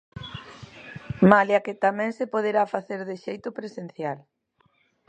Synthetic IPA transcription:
maljɐkɪt̪amɛ̃ŋsepoðeɾafaθeɾðɪʃejt̪ʊpɾesen̟θjal

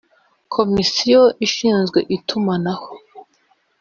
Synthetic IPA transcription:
kʰo̞misijoʔiʃiːnzɡwe̞̰ʔitʰumanaho

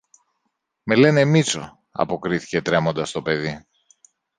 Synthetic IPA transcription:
me̞le̞ne̞mit͡so̞̰ | ɐ̰po̞kɾiθi̥ce̞t̪ɾe̞mo̞nd̪ɐst̪o̞pe̞ði

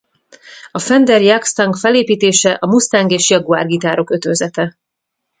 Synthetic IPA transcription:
ɒfɛnd̪ɛrjakst̪ɒŋɡfɛleːpiːt̪eːʃɛʔɒmust̪aːŋɡeːʃjɒɡua̰ːrɡit̪aːɾo̞kø̞t̪øzɛt̪ɛ

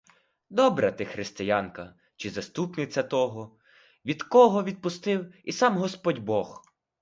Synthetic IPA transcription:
d̪ɔbɾɛt̪ɪxɾɪst̪ɪjankɐ | t͡ʃɪzɐst̪upnɪt͡sʲɐt̪ɔɦɔ | ʋʲid̪kɔɦɔʋʲid̪̚pʊst̪ɪwisɑmɦɔspɔdʲbɔx

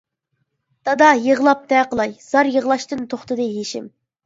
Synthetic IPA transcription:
d̪̥ɑd̪ɑjəʁlˠɑp̚t̪ɛqəlˠɑjz̥ɑɾjəʁlˠɑʃt̪ɨnt̪ʰoχt̪ɨd̪ɨɦeʃɪm

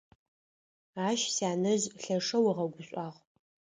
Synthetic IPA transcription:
aːʃsaːnɨzɬɐʂɐwiʁɐɡʷʊɕʷʼɑːʁ

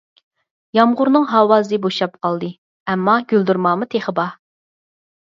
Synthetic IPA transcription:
jɑmʁʊɾnɨŋɦɑːwɑːzɨboʃɑp̚qʰɑlˠd̪ɨ | ɛmːɑɡʲyld̪uɾmɑːmɨt̪ʰeχəbɑ

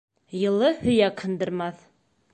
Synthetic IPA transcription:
jɤ̆lˠɤhɵ̆jækhɤ̆nd̪ɤ̆ɾmɑθ

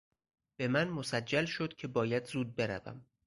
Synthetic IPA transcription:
b̥e̞mænmosæd͡ʒːælʃod̪cʰe̞bɒːjæd̪zuːd̪̚be̞ɾæ̰væ̰m

